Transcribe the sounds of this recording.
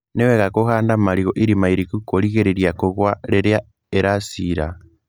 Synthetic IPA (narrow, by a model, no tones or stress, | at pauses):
neweɣakohaːndamaɾiɣoʔiɾimaiɾikukoliɣeɾeɾjakoɣwaleɾja | eɾasiɾa̰